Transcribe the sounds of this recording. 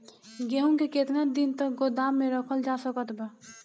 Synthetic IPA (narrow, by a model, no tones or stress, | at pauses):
ɡeũkeket̪nad̪int̪ək̚ɡod̪amːẽɾəkʰəld͡ʒasəkət̪bɛ